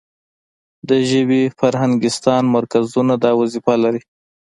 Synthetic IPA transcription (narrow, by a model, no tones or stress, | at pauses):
d̪əʒəbefaɾɦaŋɡɪst̪ɑnmaɾkazunad̪ɑwazifalaɾi